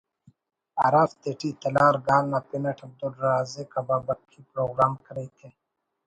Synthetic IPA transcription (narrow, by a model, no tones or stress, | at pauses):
a̰ɾaːft̪eʈʰit̪ɐlaːɾɡaːlnaːpinɐʈʰɐb̚d̪ulɾaːzekababɐkʰːipɾoːɡɾaːmkɐɾeit̪ʰe